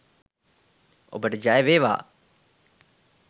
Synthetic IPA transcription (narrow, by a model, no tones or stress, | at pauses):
o̰bəʈəd͡ʒajeʋeːʋa̰ː